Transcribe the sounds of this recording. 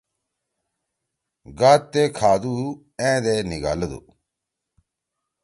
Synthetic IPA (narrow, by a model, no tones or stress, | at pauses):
ɡaːt̪ːeːkʰaːd̪uː | ẽːd̪eniɡa̰ːləd̪ṵ